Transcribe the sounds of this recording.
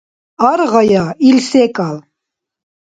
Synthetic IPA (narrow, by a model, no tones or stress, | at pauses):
aɾʁɑjailsɛkʼal